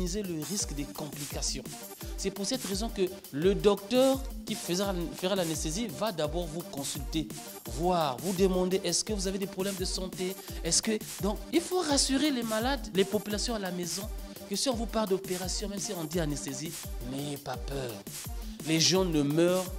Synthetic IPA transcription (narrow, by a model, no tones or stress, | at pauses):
izeləʁiskd̪ekɔ̃plikasjɔ̃ | sɛpuʁsɛt̪ʁezɔ̃kə | ləd̪ɔk̚t̪œʁkʲiffəʁalanɛst̪ezivad̪abɔʁvukɔ̃sylt̪e | vwaʁvud̪əmɑ̃d̪eʔɛskəvuzaved̪ɛpχɔblɛmd̪əsɑ̃t̪eɛskəd̪ɔ̃kilfoʁasyʁelemalad̪lepɔpylasjɔ̃alamezɔ̃ | kəsiɔ̃vupaʁld̪opeʁasjɔ̃mɛmsiɔ̃d̪ianɛst̪ezi | nejepapœːʁ | leʒɑ̃nəmœːʁ